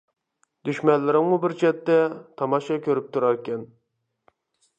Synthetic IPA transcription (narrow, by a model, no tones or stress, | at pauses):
d̪yʃmɛnlːɪɾɪŋmubɪɾt͡ʃʰɛt̪ːɛt̪ʰɑmɑʃɑkʲʰøɾyp̚t̪ʰuɾɑɾkʲʰɛn